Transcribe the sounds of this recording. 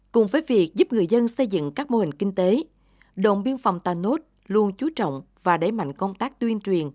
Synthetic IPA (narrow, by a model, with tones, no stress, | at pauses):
kʊ˨˩ŋ͡mvəː˨˦jvi˨˩ək̚zu˦˥p̚ŋɨ˨˩əjzə˧nsə˧jzɨ̰˧˨ŋkaː˦˥k̚mo˧hï˨˩ŋ̟ki˧ŋ̟t̪e˨˦ | ɗo̰˧˨wŋ͡mɓi˧ənfa˨˩wŋ͡mt̪aː˨˩no˦˥t̚ | lu˧ənt͡ɕu˨˦t͡ɕɔ̰˧˨wŋ͡m | vaː˨˩ɗe˧˩jma̰˧˨jŋ̟kə˧wŋ͡mt̪aː˦˥k̚t̪wi˧ənt͡ɕwi˨˩ən